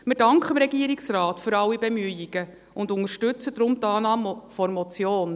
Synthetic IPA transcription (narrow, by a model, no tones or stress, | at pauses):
mɪɾdɑŋkχəmɾɛɡiəɾiksrɑːtfʏɾɑwːibemyəiɡ̥ə | ʊndʊnəɾʃtɵt͡səd̥̪ɾʊmtɑːnɑːmfɔɾmɔt͡sjoːn